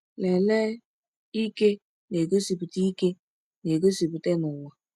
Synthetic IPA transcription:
lɛ˨lɛ˦ | i˦ke˦ | ne˨ko˦si˨bu˨ti˦i˦ke˦ | ne˨ko˦si˨bu˨te˦nʊ˨wa˨

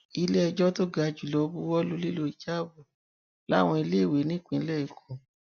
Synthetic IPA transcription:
i˧le˦ɛ˧d͡ʒɔ˦to˦ɡa˧d͡ʒu˨lɔ˨˦bu˦wɔ˦lu˦li˦lo˦i˨d͡ʒa˦bu˦˨ | la̰˦˨w̃ɔ̃˧i˧le˦˨we˨˦nĩ˦˨k͡pĩ˧ĩ˧˦lɛ˦˨i˨kʰõ˨

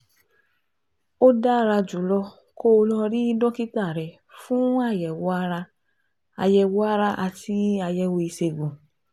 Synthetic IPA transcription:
o˦da˦˨ɾa˧d͡ʒu˨lɔ˧ | ko˦˧lɔ˧ɾi˦i˦˧dɔ˦ki˦ta˦˨ɾɛ˨ | fũ˦a˦˨jɛ˨wɾa˧ | a˨˧jɛ˧˨wɔ˦a˦ɾa˧ʔa˧ti˧a˧jɛ˧wo˧i˧se˧˨ɡũ˨

